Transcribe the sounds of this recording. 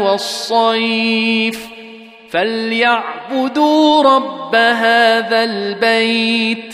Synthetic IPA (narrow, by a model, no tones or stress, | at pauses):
wɑsˤːɑjf | faljaʕbʊd̪uːɾˤɑbːaɦaːðalbajt̪